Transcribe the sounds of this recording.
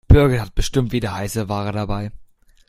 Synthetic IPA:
b̥ʏɐɡəɦat̚b̥əʃtɪmtv̥iːdɐhaɪsəvaːʁədabaɪ

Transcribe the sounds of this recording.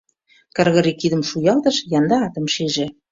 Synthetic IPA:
kə̆rɣə̆ɾikid̪ə̆mʃujɑlt̪ɤ̆ʃjɑnd̪ɑːt̪ə̆mʃeʒĕ

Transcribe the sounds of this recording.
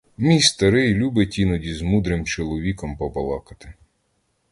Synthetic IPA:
mʲijst̪ɐɾɪjlʲubetʲinɔdʲizmud̪ɾɪmt͡ʃɔlˠɔʋʲikɔmpɔbɐlˠɑ̰kɐt̪ɪ

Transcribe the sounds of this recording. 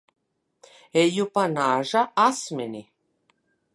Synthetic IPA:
ejupanaːʒaasmʲɛni

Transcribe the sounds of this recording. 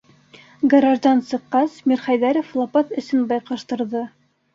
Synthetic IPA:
ɡɾɑʒd̪ɑnsɤ̆qːɑsmʲiɾχɑjðæɾoflˠɑpɑt̪ɘ̆sɘnbɑjqɤ̆ʃt̪ɤ̆ɾðɤ

